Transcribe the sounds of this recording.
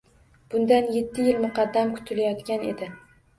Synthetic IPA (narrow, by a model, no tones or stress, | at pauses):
b̥ʊnd̪anje̞t̪ʰːɪjɪlmʊqʰɑd̪ːamkʰʊ̥t̪ʰɪlajɒt̪kʲane̞̰d̪ɪ